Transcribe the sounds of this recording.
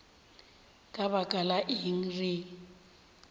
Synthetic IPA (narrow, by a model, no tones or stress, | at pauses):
kʼaβakʼalaʔɪɦiŋ̩riː